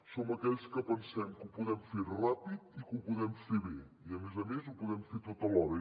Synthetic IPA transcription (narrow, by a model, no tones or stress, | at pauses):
soməkɛʎskəpənsɛmkupuðɛmferapit̪̚ikupuðɛmfeβe | iəmezəmezupuðɛmfet̪ot̪əlɔɾə